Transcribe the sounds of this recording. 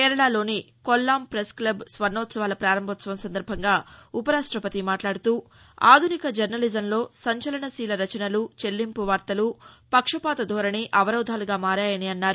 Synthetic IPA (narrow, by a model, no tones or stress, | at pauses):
kɛːɾɐɭaːlo̞ːni | kolːaːmpɾesklɐbsʋɐɾnːɔːt̪sɐʋaːlɐpɾaːɾɐmbʱɐt̪sɐʋɐmsɐnd̪ɐɾbʱɐŋɡaːupɐɾaːʂʈɾɐpɐt̪imaːʈlaːɽut̪uː | aːd̪ʱunikɐd͡ʒɐɾnɐlid͡ʒɐmlo̞ːsɐɲt͡ʃɐlɐɳɐsiːlɐɾɐt͡ʃɐnɐlut͡ʃe̞lːimpuʋaːɾt̪ɐlupɐkʂɐpaːt̪ɐd̪ʱɔːɾɐɳiʔɐʋɐɾɐwd̪ʱaːluɡaːmaːɾaːjɐniɐnːaːɾu